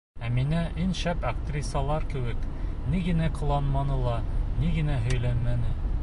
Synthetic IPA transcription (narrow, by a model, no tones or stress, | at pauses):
æminæʔinʃæpɐkt̪rʲisɑlˠɑɾkɘ̆wɘk | niɡɘ̆næqɤ̆lˠɑnmɑnɤlˠɑniɡɘ̆næɦɵ̆jlænmænɘ